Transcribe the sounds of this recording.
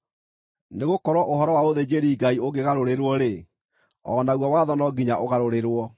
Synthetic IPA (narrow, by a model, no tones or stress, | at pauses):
neɣokɔɾwɔʔoɦɔɾɔwaoðed͡ʑeɾiːɡaioɡeɣaɾoɾeɾwɔɾe | ɔ̰naɣwawaːðɔnɔɡiɲaʔoɣaɾoɾeɾwɔ